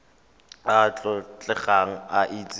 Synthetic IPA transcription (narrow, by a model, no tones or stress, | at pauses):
at͡ɬʼɔt͡ɬʼɛχaŋ̩aʔit͡sʼ